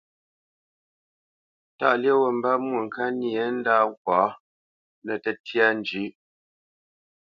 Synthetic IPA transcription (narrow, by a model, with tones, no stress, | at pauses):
ta̰˦˨lje˦wə˨m˦ba˦mwu˨ŋ̩˨ka˦ni˦˨e˦n̩˦da˦˨ŋ˦kwa˨˦ | nə˨tɛ˦tja˦n˨d͡ʒi˨˦